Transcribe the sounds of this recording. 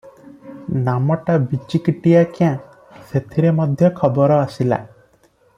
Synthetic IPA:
namɔʈabit͡ʃikiʈijakiã | set̪ʰiɾemɔd̪ʱjɔkʰɔbɔɾɔasila̰

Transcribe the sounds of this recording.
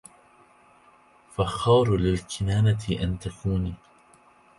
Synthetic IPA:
faxɑːɾlɪlkʰɪnaːnat̪ʰɪʔant̪akʰuːniː

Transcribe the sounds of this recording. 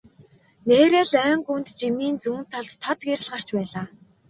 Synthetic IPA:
neːɾeːɮœːŋɡunt̪t͡ɕimiːnt͡suːnt̪ʰɔɮt̪t̪ʰːɔt̪ɡeɾ̆ʲɮʁar̥t͡ɕpæːɮaː

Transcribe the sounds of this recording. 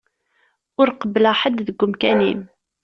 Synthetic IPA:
ʊɾqəbːəlaħad̪ðəɡːʊmkænḭm

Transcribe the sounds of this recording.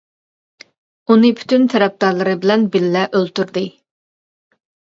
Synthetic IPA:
unɨpʰy̥t̪ʰynt̪ʰɛɾɛp̚d̪ɑɾlˠɨɾɨbɪlɛnbɪlːɛʔølt̪yɾd̪ɨ

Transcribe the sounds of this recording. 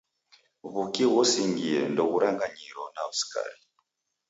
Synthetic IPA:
βukiɣɔsiŋɡiɛndɔɣuɾaŋɡaɲiɾɔnausi̥ka̰ɾi

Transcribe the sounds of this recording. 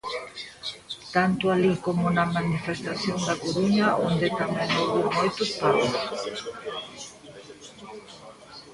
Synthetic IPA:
t̪ant̪ʊalikomʊnɐmanifest̪aθjond̪akoɾuɲɐʔond̪et̪amɛ̃ŋowβemojt̪ʊspaɾʊs

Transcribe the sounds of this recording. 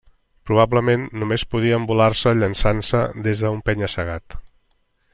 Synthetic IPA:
pɾuβ̞abləmenːumespuð̞iəːmbulaɾsəʎənsansəðezðəumpɛɲəsəɣ̞at̪

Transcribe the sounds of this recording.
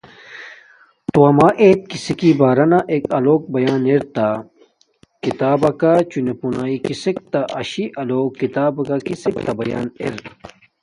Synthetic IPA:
t̪uɐmaʔet̪̚kisikibaːɾɐnaʔekɐloːk̚bɐjaːneɾt̪a | kit̪aːbɐkat͡ɕunepunaːikisek̚t̪aʔɐ̰ɕiʔɐloːkːit̪aːbɐkakisek̚t̪abɐja̰ːnḛɾ

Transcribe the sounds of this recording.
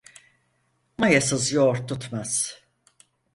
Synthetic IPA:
majasɯzjoɾt̪ʰːut̪maz̥

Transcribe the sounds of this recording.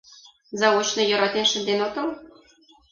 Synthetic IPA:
zɑwot͡ɕnɤ̆jɤ̆ɾɑt̪enʃə̆nd̪enot̪ɤ̆l

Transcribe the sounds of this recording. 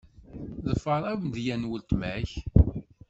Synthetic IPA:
ðəfːəɾˤæwnd̪jænwəlt̪mæç

